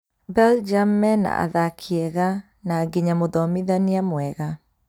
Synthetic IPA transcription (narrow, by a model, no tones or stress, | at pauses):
bɛld͡ʒamɛna̰a̰ðakʰiɛɣa | naɡiɲamoðɔmiðaniamwɛɣa